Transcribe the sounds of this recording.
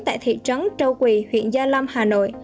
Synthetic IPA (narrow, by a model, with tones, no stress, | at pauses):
t̪a̰ː˧˨jt̪ʰḭ˧˨t͡ɕə˨˦nt͡ɕə˧wkwi˨˩hwḭ˧˨ənzaː˧la˧mhaː˨˩no̰˧˨j